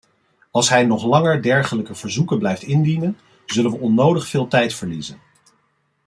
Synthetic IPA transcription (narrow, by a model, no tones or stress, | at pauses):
ɑlˠsɦɛjnɔχlɑŋəɹdɛɹχələkəv̥əɹzukəblɛjftɪndinən | zɵlənʋəɔnːowdəχfɪːlˠtɛjtfəɹlizən